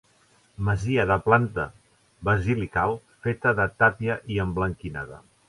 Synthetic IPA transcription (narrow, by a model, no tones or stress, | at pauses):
məziəðəplant̪ə̰ | βəzilikalˠ | fet̪əðət̪apiəʔiəmbləŋkina̰ðə̰